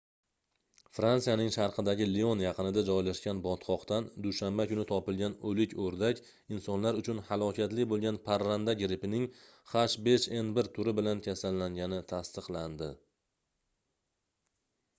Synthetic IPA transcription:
fɾansijanɪŋʃaɾqʰɨd̪aɡʲɪleonjɑqɨnɪd̪ad͡ʒɒjlaʃkʲanbɒt̪qʰɒqt̪and̪uʃambakʊnɪt̪ʰɒpɪlˠɡʲanɵlɪkʲʰoɾd̪akʲ | ɪnsɒnlaɾʊt͡ʃʰʊnhalˠɒkʲʰat̪lɪbolˠɡʲanpʰaɾːand̪aɡʲɾɪpɪnɪŋ | χaʃbe̞ʃe̞nbɪɾt̪ʰʊɾɪbɪlankʲʰasalːaŋɡʲanɪt̪ʰast̪ɨqlˠand̪ɪ

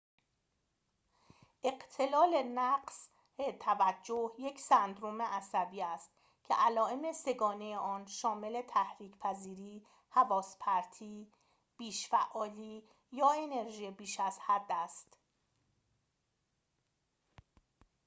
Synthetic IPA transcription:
ʔe̞ɢt̪ʰe̞lɒːle̞næɢs | et̪ʰævæd͡ʒːohje̞cʰsænd̪ɾome̞ʔæsæbiːæst̪ | kcʰe̞̰ʔælɒːe̞mese̞ɡɒːne̞jeʔɒːnʃɒːme̞le̞t̪ʰæhɾiːcʰpʰæziːɾiː | hævɒːspʰæɾt̪ʰiː | b̥iːʃfæʔɒːliː | jɒːe̞ne̞ɾʒiːjebiːʃæz̥hæd̪ːæst̪

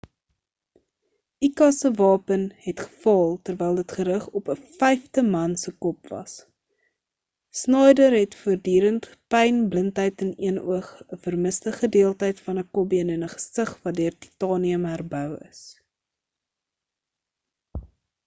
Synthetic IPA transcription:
ikɐsəvɑːpənhɛtχə̥fɑlˠtərvɛjlˠdətχəɾəχɔpəfɛjftəmɐnsəkɔpvɐ̰s | snɑjdərɦɛtfərdyːɾənt | pɛjnbləntɦəjtɛniənṵəχəfərməstəχədiəlˠtəjtfɐnəkɔbiənɛnəχə̥səχvɐtdøərti̥tɑːniəmɦærbœwə̰s

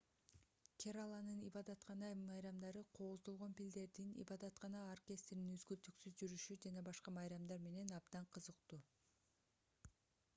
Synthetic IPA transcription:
kʰʲeɾalˠɑnɯnibɑd̪ɑt̪qɑnɑmɑjɾɑmd̪ɑɾɯqʰoːzd̪o̞lˠʁo̞npild̪e̞ɾd̪inḭbɑd̪ɑt̪qɑnɑorkʲe̞st̪ɾinyzɡylt̪yksyzd͡ʒyɾyʃyd͡ʒɑnɑbɑʃqɑmɑjɾɑmd̪ɑɾme̞ne̞nɑbd̪ɑɴqʰɯzɯqt̪u

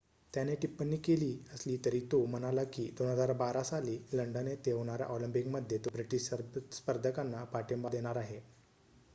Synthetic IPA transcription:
t̪janeʈipːəɳːiːkeliːəsliːt̪əɾiːt̪om̤ənalakiːd̪onɦəd͡zaɾbaɾasaliːləɳɖənet̪eɦoɽ̃aɾa̰ʔɔləmpikməd̪ʱjet̪obɾiʈiɕspəɾd̪ʱəkanːapaʈembad̪eɽ̃aɾaɦe

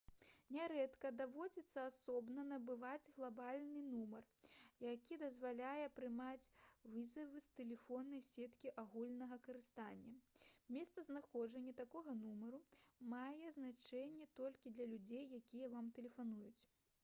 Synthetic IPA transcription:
nʲɛɾɛt̪kɐd̪avɔd͡zʲit̪sːɐasɔbnɐnɐbɨvad͡zʲɣlˠabalʲnɨnumɐrjakʲid̪ɐzvalʲajɛpɾɨmat͡sʲvɨzɐvɨst̪ɛlʲɛfɔnːɐjsʲɛt̪kʲiʔaɣulʲnɐɣɐkɐɾɨst̪anʲːɐmʲɛst̪sɐznaxɔd͡ʐɐnʲːɐt̪akɔɣɐnumɐɾumajɛznat͡ʂɛnʲːɛt̪ɔlʲkʲid̪lʲɐlʲud͡zʲejːakʲijɛvamt̪ɛlʲɛfanujut͡sʲ

